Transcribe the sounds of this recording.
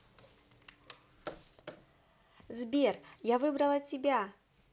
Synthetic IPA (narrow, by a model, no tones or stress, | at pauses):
zbʲerjavɨbɾɐlˠɐtʲɪbʲa